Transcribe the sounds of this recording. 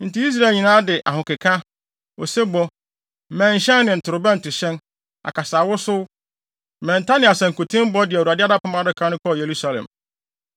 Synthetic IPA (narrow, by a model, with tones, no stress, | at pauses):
n̩˨tɪ˦i˦s̬ɾa˦˨ɲĩ˨nãː˦dɪ˨ʔa˨ɦʊ̃˨kɪ˨kʰã˦ | o˨se˦bɔ˦˨ | mɛ̃˨ɲ̩˨ɕɛ̃˦n˦nɪ̃˨n̩˨tʰʊ˨ɾʊ˨bɛ˦n̩˨tʰʊ˨ɕɛ̃˦n | a̰˨kʰa˨saː˨wʊ˦sʊ˦ | mɛ̃˨n̩˨tʰa˦nɪ̃˨˦a˨sã˨ŋ̩˨kʰo˨tʰɪ̃˦m˦bɔ˦dɪ˨u˨a˨dɪ˦a˦da˦pʰa˦mã˦dɪ˦kʰã˨˦nʊ̃˦kʰɔ˦˨je˨ɾu˦sa˦lɛ̰̃˨m